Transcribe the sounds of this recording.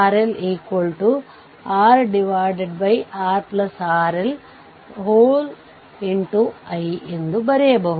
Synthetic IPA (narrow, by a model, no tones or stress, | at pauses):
aːɾeleːkolʈu | aːɾɖiʋaːjɖeɖbɐjaːɾplɐsaːɾel | ɦoːl | iɳʈuɐjend̪ubɐɾejɐbɐɦ